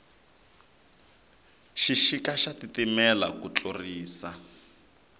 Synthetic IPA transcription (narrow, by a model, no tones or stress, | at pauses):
ʃiʃikaʃatitimɛlakut͡ɬoriːsa